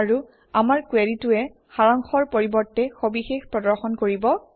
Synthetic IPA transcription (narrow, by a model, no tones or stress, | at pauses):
aɹu | amaɹkweɹitʊɛ | xaɹaŋxɔɹpoɹibɔɹtːɛxobixexpɹɔdɔɹxɔnkoɹibɔ